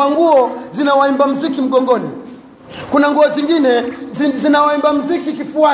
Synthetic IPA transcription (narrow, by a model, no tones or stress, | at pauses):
aŋɡuɔzinawaimbam̩zikim̩ɡɔŋɡɔni | kunaŋɡuɔziŋɡinɛzinawaimbam̩zikikifua